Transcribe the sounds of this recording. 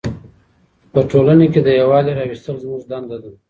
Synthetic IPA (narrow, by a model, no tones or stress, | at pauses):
pəʈolaneked̪əjawɑleɾɑwist̪əlzmuʐd̪and̪ad̪u